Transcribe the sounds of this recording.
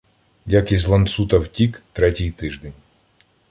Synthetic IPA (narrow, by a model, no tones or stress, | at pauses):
jʲakisʲlˠɐnt̪sut̪ɐwtʲikt̪ɾɛtʲɪjt̪ɪʒd̪ɛnʲ